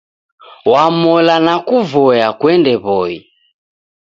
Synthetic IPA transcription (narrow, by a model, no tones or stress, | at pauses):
wamɔlanakuvɔjakwɛndɛβɔi